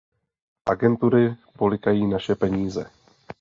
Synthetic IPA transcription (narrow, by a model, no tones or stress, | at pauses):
ʔaɡɛnt̪uɾɪpolɪkajiːnaʃɛpɛɲiːzɛ